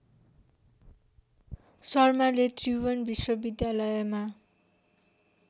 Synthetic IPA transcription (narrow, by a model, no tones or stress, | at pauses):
sʌrmalet̪riwʌnbiswʌbid̪jalʌjʌma